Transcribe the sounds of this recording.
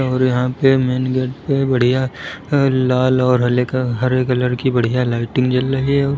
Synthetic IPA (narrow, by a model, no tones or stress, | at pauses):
ɔːɾjɐɦãpemeːnɡeːʈpebɐɽ̤ija | laːlɔːɾɦɐɦɐɾeːkɐləɾkibɐɽ̤ijalaːɪʈɪ̃ŋɡt͡ʃɐlːɐɦiɛɔːɾ